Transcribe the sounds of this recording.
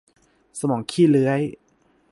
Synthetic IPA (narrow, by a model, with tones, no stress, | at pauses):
sa˧mɔː˩˦ŋkʰiː˥˩lɯ˦˥əj